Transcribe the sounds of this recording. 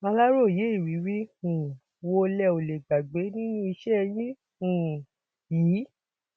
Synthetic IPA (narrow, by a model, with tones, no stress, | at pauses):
ma˧la˦ɾo˦˨je˨˦i˦˨wi˨˦wi˦ũ˨ | wo˧lɛ˧˨o˨le˨ɡ͡ba˨ɡ͡be˨˦nĩ˦nũ˦i˧ʃɛ˦˧jĩ˦ | ũ˨ | jiː˨˦